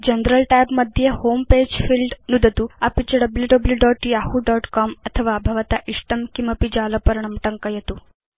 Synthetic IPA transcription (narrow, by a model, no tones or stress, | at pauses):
d͡ʒɐnɾɐlʈaːbmɐd̪ʱjehoːmpeːd͡ʒfʰilɖnud̪ʱɐt̪uɐpit͡ʃɐɖɐbljuɖɐbljuɖɔːʈːiahuɖɔːʈkaːmɐt̪ʰɐʋaːbʱɐʋɐt̪aʔiʂʈɐmkimɐpid͡ʒaːlɐpɐɾɐɳɐmʈɐŋkɐjɐt̪u